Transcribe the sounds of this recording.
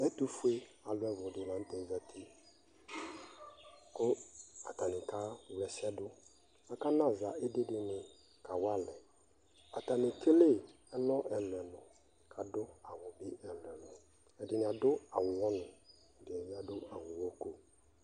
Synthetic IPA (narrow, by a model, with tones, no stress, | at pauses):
ɛ˦tu˦fu˦e˦a˨lʊ˦ɛ˦vʊ˨dɪ˨lã˨n˦tɛ˨za˦tʰi˦ | kʊ˦a̰˨ta˨nɪ˨ka˦˨wɛ˨sɛ˦dʊ˦ | a˨ka˦na˦˨za˨ʔɛ˦dɪ˦dɪ˨nɪ˨ | ka˨wa˦lɛ˨ | a˨ta˨nɪ˨kʰe˦le˦ | ɛ˦lɔ˦ʔɛ˨lʊ˨ɛ˨nʊ˨ | kʰa˨dʊ˦a˨wʊ˨bɪ˦ɛ˨lʊ˨ɛ˨nʊ˨ | ɛ˨dɪ˨nɪ˨a˨dʊ˦a˨wʊ˨wɔ˦nʊ̃˨ | dɪ˨ɛ˨nɪ˨a˨dʊ˦a˨wʊ˨wɔ˦ko˨